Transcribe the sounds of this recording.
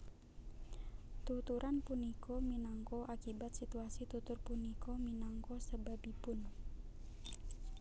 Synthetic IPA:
t̪ut̪uɾʔanpunikʰɔminaŋkɔʔakibat̪sit̪uasit̪ut̪ʊrpunikɔminaŋkɔsəbabibʊn

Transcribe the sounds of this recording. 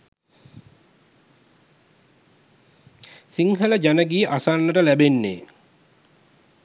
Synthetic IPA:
siŋɦələd͡ʒænəɡiːʔasanːəʈəlæbenːḛː

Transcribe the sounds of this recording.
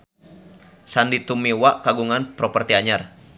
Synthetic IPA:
sandit̪umiwaʔkaɡuŋanpɾɔpərt̪iaɲar

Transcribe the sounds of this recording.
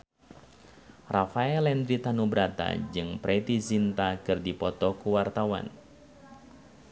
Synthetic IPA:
rafaɛlɛnd̪ɾit̪anubɾat̪a̰d͡ʒɨŋpɾʔɛt̪izint̪akɨrdipɔt̪ɔkuwart̪awa̰n

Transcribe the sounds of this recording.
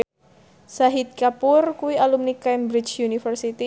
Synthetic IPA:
saɦit̪̚kapʊrkuwialumnikambɾit͡ʃjunifərsit̪i

